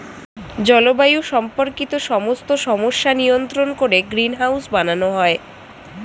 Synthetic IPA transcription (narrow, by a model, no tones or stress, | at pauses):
d͡ʑɔlobajuʃɔmpoɾkit̪oʃɔmost̪oʃɔmoʃːanijont̪ɾonkoɾeɡɾinɦawsbananoɦɔe